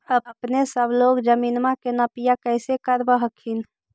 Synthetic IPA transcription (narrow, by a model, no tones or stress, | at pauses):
əbəpnesəbʱloɡd͡ʒəminmãkenəpijakəɪsekəɾbəɦəkʰin